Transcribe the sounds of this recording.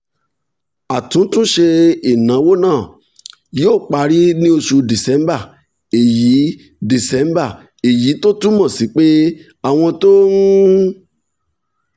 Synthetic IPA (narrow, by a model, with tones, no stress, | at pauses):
a˨tũ˨˦tũ˦ʃe˧i˨nã˨˦wo˦nãː˦˨ | joː˦˨k͡pa˧ɾi˦nĩ˦o˧ʃu˧di˨sɛ̃˨˦mba˦˨ | e˨ji˨˦ | di˨sɛ̃˨˦m˦ba˦˨ | e˨ji˨˦to˦tũ˦mɔ̃˦˨si˨˦k͡pe˦ | a˦˨w̃ɔ̃˧to˦n̩˦